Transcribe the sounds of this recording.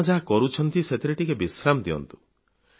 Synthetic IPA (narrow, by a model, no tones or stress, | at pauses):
d͡ʒaɦakɔɾut͡ʃʰɔnt̪iset̪ʰiɾeʈikebisɾamd̪iɔ̰nt̪u̥